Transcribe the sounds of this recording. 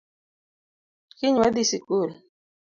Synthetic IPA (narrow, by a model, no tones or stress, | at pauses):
kɪɲwad̪isikuɾe